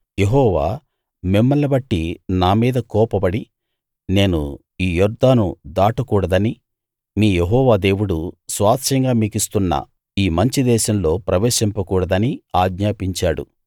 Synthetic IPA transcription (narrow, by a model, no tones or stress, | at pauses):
je̞ɦɔːʋaː | mimːɐllɐbɐʈːinaːmiːd̪ɐkɔːpɐbɐɽi | ne̞ːnṵ | iːjɔɾd̪aːnud̪aːʈɐkuːɽɐd̪ɐni | miːjeɦɔːʋaːd̪e̞ːwuɽusʋaːt̪ʂɐŋɡaːmiːkist̪unːɐ̰ | iːmɐɲt͡ʃid̪ɛːʃɐmlo̞ːpɾɐʋeːʃimpɐkuːɽɐd̪ɐniaːɡɲaːpiɲt͡ʃaːɽṵ